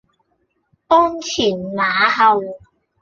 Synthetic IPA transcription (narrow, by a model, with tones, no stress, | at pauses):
ʔɔː˥nt͡sʰiː˨˩nnaː˨˦ɦɐ˨˧w